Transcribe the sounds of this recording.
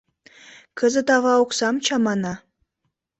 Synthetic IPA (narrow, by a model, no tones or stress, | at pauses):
kə̆zɘ̆t̪ɑβɑuksɑmt͡ɕɑmɑnɑ